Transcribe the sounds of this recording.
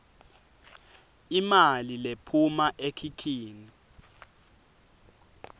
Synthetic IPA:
imalilepʰumaʔekʰikʰiːni

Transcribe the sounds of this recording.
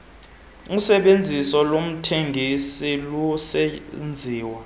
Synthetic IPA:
usɛɓend͡zʱisɔlom̩tʰeŋɡʱisilusɛnd͡zʱiːwa

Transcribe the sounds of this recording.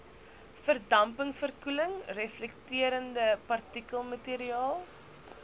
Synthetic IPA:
fərdɐmpəŋsfərkuləŋrɛflɛktiəɾəndəpɐrtikəlˠmətiːɾiɑːlˠ

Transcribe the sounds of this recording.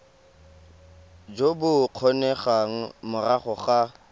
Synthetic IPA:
d͡ʒobʊq͡χʰɔnɛχaŋ̩mʊraχʊχa

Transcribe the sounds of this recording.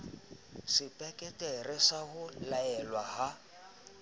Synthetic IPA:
sɪpʼɛkʼɛtʼɛrɪsahʊlaɛlwaɦa

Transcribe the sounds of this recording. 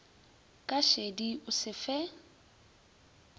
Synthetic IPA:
kʼaʃediʊsɪfɛ

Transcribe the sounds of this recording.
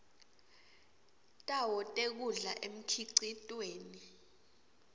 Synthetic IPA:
tʼawɔtʼek̬uɮaʔem̩kʰiǀitʼweːni

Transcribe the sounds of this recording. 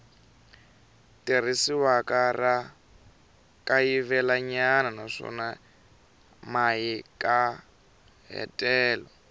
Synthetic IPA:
tir̤isiwakara | kajivɛlaɲananaʂɔ̰na | majikʼa | ɦɛ̰tʼɛːlɔ

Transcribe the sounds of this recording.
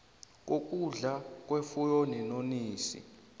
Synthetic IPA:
k̬ok̬ʼuɮak̬ʼwefujɔnɛnoniːsḭ

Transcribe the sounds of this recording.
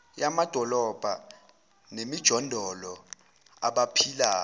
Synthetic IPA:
jamad̥ʱɔlɔb̥ʱa̰ | nemid̥ʒ̥ʱɔndʱɔlɔ | a̰ɓapʰilaː

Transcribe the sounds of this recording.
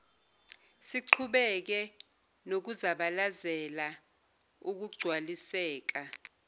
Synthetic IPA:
siǃʰuɓɛk̬ɛ | nok̬uzaɓalazɛla | uk̬uɡ͡ǀ̥ʱwalisɛːk̬a

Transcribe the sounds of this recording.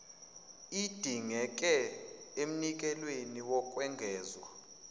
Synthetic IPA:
id̥ʱiŋɛk̬ʼɛem̩nik̬ʼɛlweniwɔkʼwɛŋɡʱɛːzwa

